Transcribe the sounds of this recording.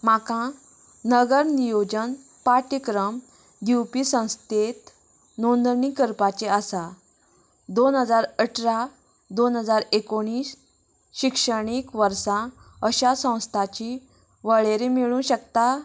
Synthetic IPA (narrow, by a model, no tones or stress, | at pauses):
makã | nəɡəɾnijod͡ʑən | paʈikɾəm | d̪iwpisə̃w̃st̪et̪ | nond̪ɳikəɾpat͡ɕeasa | d̪onɦəd͡zaɾəʈʰɾa | d̪onɦəd͡zaɾekoɽ̃iːs | ɕikʂəɽ̃ikʋəɾsã | əɕasə̃w̃st̪ʰat͡ɕi | ʋəɭeɾemiɭũɕəkt̪a